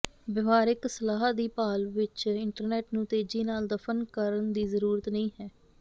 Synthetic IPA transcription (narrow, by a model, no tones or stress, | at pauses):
ʋɪʋaːɾɪksəlaːɦad̪iːpaːlʋɪt͡ʃɪɳʈəɾnɛːʈnũːt̪eːd͡ʒiːnaːld̪əfʰənkəɾənd̪iːzəɾuːɾət̪nəĩːɦɛː